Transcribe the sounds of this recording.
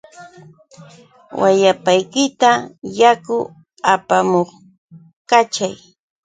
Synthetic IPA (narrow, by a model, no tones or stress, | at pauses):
wajapajkɪt̪ajakʊ | apamoχ | kat͡ʃaj